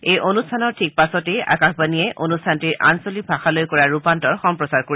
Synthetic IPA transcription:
ejʔonustʰanɔɹtʰik̚pasɔtejʔa̰kaxbaniɛʔonustʰantiɹʔa̰nsolibʱaxalojkɔɹaɹupantɔɹxɔmpɹɔsaɹkoɹi

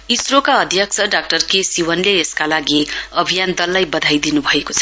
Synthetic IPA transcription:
isrokaʌd̪ʱjʌk̚t͡sʰʌɖak̚ʈʌrkesiwʌnleːskalaɡiʌbʱijand̪ʌlːajbʌd̪ʱajd̪inubʱʌekot͡sʰʌ̥

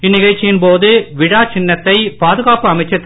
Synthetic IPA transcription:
ɪnːɪɣɐɻt͡ʃːɪjɪnpoːðɯʋɪɽaːt͡ʃɪnːɐt̪ːɐɪpaːðɯɣaːpɯɐmɐɪt͡ʃːɐt̪ː

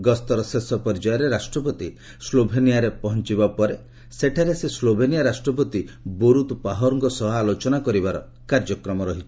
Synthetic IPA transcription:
ɡɔst̪ɔɾɔsesɔpɔɾd͡ʒajɔɾeɾasʈɾɔp̬ɔt̪i | slobʱenijaɾepɔɦɔnt͡ʃibapɔɾe | seʈʰaɾeseslobʱenijaɾasʈɾɔp̬ɔt̪iboɾut̪paɦɔɾɔŋkɔsɔɦaːlot͡ʃɔnakɔɾibaɾɔ | kaɾd͡ʒɔkɾɔmɔɾɔɦit͡ʃʰ

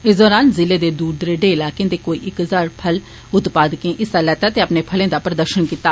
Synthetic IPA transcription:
ɪːsd̪ɔːɾaːnzɪleːd̪eːd̪uːɖd̪ɾeːɖeːɪlaːkẽːd̪eːkoːḭːʔɪkɦəzaːɾpʰəl | ʊt̪paːd̪kẽːʔɪsaːlɛːt̪aːt̪eːəpneːpʰəlẽːd̪aːpɾəd̪əɾʃənkiːt̪aː

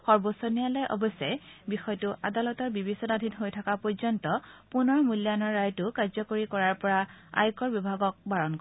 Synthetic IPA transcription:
xɔɹbosonijalɛjʔɔ̰bɔsɛjbixɔjtʊʔa̰dalɔtɔɹbibisɔnadʱinɦojtʰakapɔɹzɔntɔpunɔɹmuljanɔɹːajtʊkaɹzɔkoɹikɔɹaɹpɔɹa | a̰jkɔɹbibʱaɡɔk̚baɹɔnk

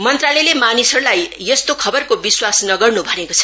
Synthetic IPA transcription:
mʌnt̪ralelemanisʌrulajjʌst̪okʰʌbʌrkobiswasnʌɡʌrnubʱʌnekot͡sʰʌ̥

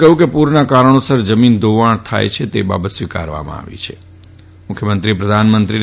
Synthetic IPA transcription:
kəɦũkepuɾnakaɾəɳ̃osəɾd͡ʒəmind̪oʋaɳt̪ʰa̰jt͡ʃʰet̪ḛba̰bət̪sʋika̰ɾʋa̰mã̰a̰ʋḭt͡ʃʰe̥ | mʊkʰjəmənt̪ɾipɾəd̪ʱanmənt̪ɾi

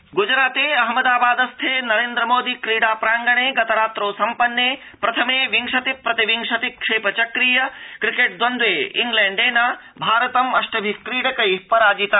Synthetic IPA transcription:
ɡud͡ʒɾaːt̪eːɐɦmɐd̪aːbaːd̪ɐst̪ʰeːnɐɾẽːnd̪ɾɐmoːd̪iːkɾiːɽaːpɾaːŋɡɐɳ̃eːɡɐt̪ɐɾaːt̪ɾoːsɐmpɐnːeː | pɾɐt̪ʰɐmeːʋiŋʂɐt̪ipːɾɐt̪iʋiŋʂɐt̪ikʂeːpɐt͡ʃɐkɾiːjɐkɾikeːʈ̚d̪wɐnd̪ʋeːḭŋɡlɛ̃ːɳɖeːnaː | bʱaːɾɐt̪ɐmɐʃʈɐbʱikɾiːɽɐkɐjpɐɾaːd͡ʒit̪a

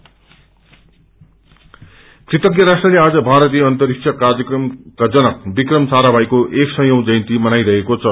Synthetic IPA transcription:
krit̪ʌkjʌɾasʈrʌlead͡zʌbʱaɾʌt̪̬ijʌʌnt̪ʌɾiksʰʌkard͡zjʌkrʌmkad͡zʌnʌk̚bikrʌmsaɾabʱajkoʔeksʌ̃jow̃d͡zʌjnt̪imʌnajɾʌɦekot͡sʰʌ

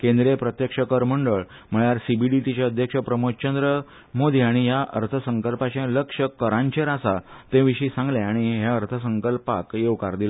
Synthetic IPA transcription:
kẽnd̪ɾepɾət̪jəkʂəkəɾm̤əɳɖəɭ | m̤əɭaɾsibiɖiʈit͡ɕaəd̪ʱjəkʂəpɾəmot͡ɕənd̪ɾə | mod̪ʱiaɽ̃iɦjaʔə̰ɾt̪ʰəsəŋkəlpat͡ɕẽləkʂəkəɾãɲt͡ɕẽɾasat̪ẽʋiɕiːsãŋɡleaɽ̃iɦjaəɾt̪ʰəsəŋkəlpakjeʋkaɾd̪ila

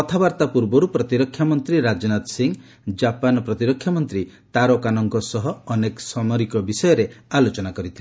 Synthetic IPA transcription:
ɔt̪ʰabaɾt̪apuɾbɔɾupɾɔt̪iɾɔkʰːjamɔnt̪ɾiɾad͡ʒɔnat̪siŋ | d͡ʒapanɔpɾɔt̪iɾɔkʰːjamɔnt̪ɾit̪aɾɔkanɔŋkɔsɔɦɔːnekɔsɔmɔɾikɔbisɔjɔɾealot͡ʃɔnakɔɾit̪ʰile

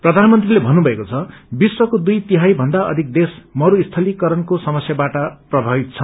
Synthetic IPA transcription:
prʌd̪ʱanmʌnt̪rilebʱʌnːubʱʌekot͡sʰʌbiswʌkod̪ujt̪iɦajbʱʌnd̪aʌ̰d̪ʱik̚d̪esmʌɾuist̪ʰʌlikʌɾʌnkosʌmʌsjabaʈʌprʌbʱabit̪̚t͡sʰʌ

